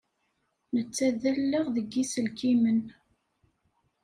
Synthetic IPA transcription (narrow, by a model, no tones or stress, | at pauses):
nət͡sːæðælːəʁðəɡːisəlkimən